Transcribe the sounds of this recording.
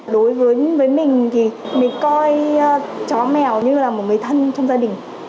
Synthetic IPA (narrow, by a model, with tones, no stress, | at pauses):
ɗo˨˦jvəː˨˦jvəː˨˦jmï˨˩ŋ̟t̪ʰi˨˩mï˨˩ŋ̟kɔ˧j | t͡ɕɔ˨˦mɛ˨˩wɲɨ˧laː˨˩mo˨˩t̚ŋɨ˨˦jt̪ʰə˧nt͡ɕɔ˧wŋ͡mzaː˧ɗï˨˩ŋ̟